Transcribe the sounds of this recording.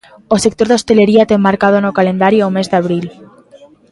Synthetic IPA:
osek̚t̪oɾðost̪e̞le̞ɾiat̪emːaɾkað̞onokale̞nd̪aɾjoaomezðeaβ̞ɾil

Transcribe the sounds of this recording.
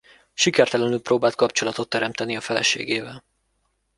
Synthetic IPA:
ʃikɛrt̪ɛlɛnylproːbaːlt̪̚kɒpt͡ʃo̞lɒt̪o̞t̪ːɛɾɛmt̪ɛniɒfɛlɛ̰ʃḛːɡeːvɛl

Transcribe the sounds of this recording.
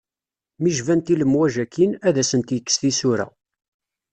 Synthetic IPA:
miʒvænt̪iləmwæʒækːinæðæsənt̪jəkːsθisʊɾæ̰

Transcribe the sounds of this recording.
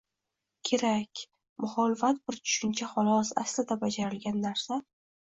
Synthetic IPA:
kʲʰe̞ɾakʲ | mʊχɒlɪfat̪̚bɪɾt͡ʃʰʊ̥ʃɪnt͡ʃʰaχɒlˠɒsa̰slɪd̪abad͡ʒaɾɪlɡʲanːaɾsa

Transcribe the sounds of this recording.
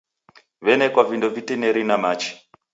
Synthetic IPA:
ʋɛnɛkwavindovitɛnɛɾinamaːt͡ʃi̥

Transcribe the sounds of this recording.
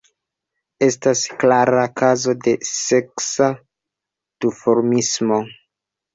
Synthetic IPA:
e̞stasklaɾakazo̞de̞se̞ksa | d̥ufoɾmismo̞

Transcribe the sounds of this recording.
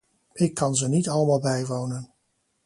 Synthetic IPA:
ɪkːɑnzənitɑləmaːlˠbɛjʋownən

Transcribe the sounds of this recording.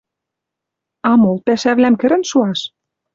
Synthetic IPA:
ɑmolpæʃæβlæmkɘ̆ɾɘ̆nʃuɑʃ

